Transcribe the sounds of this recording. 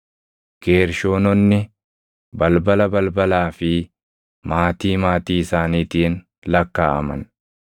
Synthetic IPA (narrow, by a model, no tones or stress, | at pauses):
ɡ̥e̞ːɾʃo̞ːnɔnːɪ | bɐlbɐlɐbɐlbɐlaːfɪ | maːt̪iːmaːt̪iːɪsaːniːt̪iːn | lɐkːa̰ːʔɐ̰mɐ̰n